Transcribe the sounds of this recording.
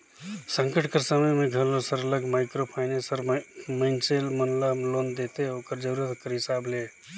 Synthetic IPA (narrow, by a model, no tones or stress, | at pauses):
səŋkəʈkəɾsəməjmẽɡʱəllosəɾələɡmaɪkɾopʰaɪnesəɾməɪnselmənlamlond̪et̪eokəɾd͡ʒəɾuɾət̪kəɾɦisable